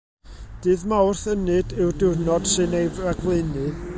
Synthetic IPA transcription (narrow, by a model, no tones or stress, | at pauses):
d̥ɨːðmawrθənɨdɨwdɪrnɔd̥sɨnejvaɡlˠɨnɨ